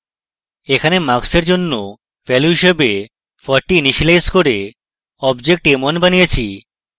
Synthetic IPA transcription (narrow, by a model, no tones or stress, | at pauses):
ekʰanemakseɾd͡ʑonːo | fɛluɦiʃebe | fɔɾʈːiniʃlajskoɾe | ɔbd͡ʑek̚ʈemonbanijet͡ɕʰi